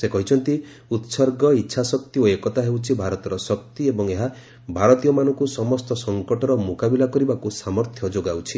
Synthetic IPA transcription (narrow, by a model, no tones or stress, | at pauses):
sekɔɦit͡ʃʰɔnt̪i | ut̪sɔɾɡɔitːʃʰasɔkt̪ioekɔt̪aɦewt͡ʃʰibʱaɾɔt̪ɔɾɔsɔk̚t̪iebɔŋeɦa | bʱaɾɔt̪ijɔmanɔŋkusɔmɔst̪ɔsɔŋkɔʈɔɾɔmukabilakɔɾibakusamɔɾt̪ʰjɔd͡ʒoɡawt͡ʃʰi